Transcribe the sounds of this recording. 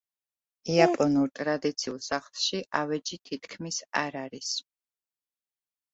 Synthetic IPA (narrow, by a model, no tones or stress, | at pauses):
iapʼɔnuɾt̪ʼɾad̪it̪sʰiulˠsaχlˠʃiʔavɛd͡ʒit̪ʰit̪ʰkʰmisa̰ɾaɾis